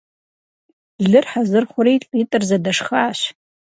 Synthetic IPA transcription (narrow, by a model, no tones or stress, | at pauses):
ɮɨrħazɨrχʷʊɾeːɬʼiːtʼɨrzɐdɐʂxaːɕ